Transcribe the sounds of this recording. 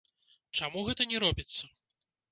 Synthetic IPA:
t͡ʂamuɣɛt̪ɐnʲɛɾɔbʲit̪sːɐ

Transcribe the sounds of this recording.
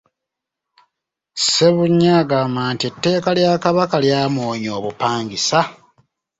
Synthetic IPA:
se̞βuɲːaːɡaːmbaːntitːe̞ːkaljakaβakaljaːmoːɲo̞ːβupaːŋɡisa

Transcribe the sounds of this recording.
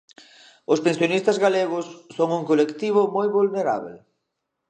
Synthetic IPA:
ʊspensjonist̪ɐzɣaleɣ̞ʊsːoŋuŋkolekt̪iβ̞ʊmojβulneɾa̰β̞ḛ

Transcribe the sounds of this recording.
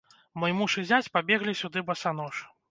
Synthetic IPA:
mɔjmuʂɨzʲat͡sʲpabʲɛɣlʲisʲud̪ɨbɐsanɔʂ

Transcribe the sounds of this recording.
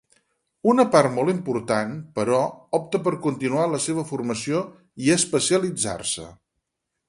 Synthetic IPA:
unəpart̪mɔlˠimpuɾt̪anpəɾɔɔp̚t̪əpəɾkunt̪inualəseβ̞əfurməsio | iəspəsiəlid͡za̰rsə̰

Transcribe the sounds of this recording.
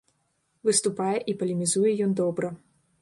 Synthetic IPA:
vɨst̪upajɛʔipɐlʲimʲizujɛjɔnd̪ɔbɾɐ

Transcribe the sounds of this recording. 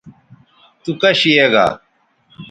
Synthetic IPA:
t̪ukɐɕijeɡa̰

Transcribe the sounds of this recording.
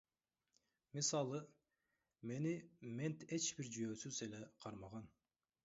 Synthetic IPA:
misɑlˠɯ | me̞nime̞nt̪e̞t͡ʃbiɾd͡ʒyjøːsyze̞le̞qʰɑɾmɑʁɑn

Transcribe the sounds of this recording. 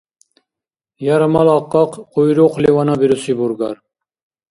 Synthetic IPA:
jɑɾɑmɑlˠɑqːɑqqʰojɾoqlewɑnɑbeɾusibuɾɡɑ̰ɾ

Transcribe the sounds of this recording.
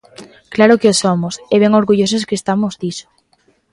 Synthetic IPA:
klaɾʊkeosomʊsɛβ̞ɛŋoɾɣuʎos̬eskeːst̪amʊzd̪isʊ̥

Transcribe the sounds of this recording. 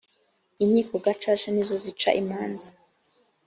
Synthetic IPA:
iɲɲiːkoɡat͡ʃat͡ʃanizo̞zit͡ʃa̰ʔimaːnza

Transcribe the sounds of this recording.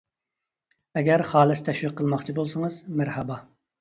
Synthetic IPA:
ɛɡʲɛɾχɑːlˠɨst̪ʰɛʃwiqʰːəlˠmɑχt͡ʃʰibolˠsəŋəzmæɾhɛbɑ

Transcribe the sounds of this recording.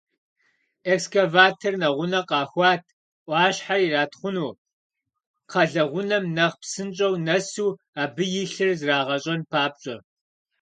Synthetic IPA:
ekskɐvaːtʰɐrnɐʁʷʊnɐqɑːxʷɑːtʰ | ʔʷɑːɕħairaːtχʷʊnuː | qʰɐɮɐʁʷʊnɐmnɐʁpsɨnt͡ʃʼɐwnɐsuː | aːbɨjɪɬɨrzraːʁɐɕʼɐnpʰaːp̚ɕʼɐ

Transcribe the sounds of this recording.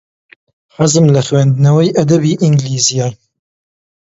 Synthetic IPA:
ħɐzɨmlɐxwɛnd̪ɨnɐwɐjʔɐd̪ɐbiːʔiŋɡliːzijaːj

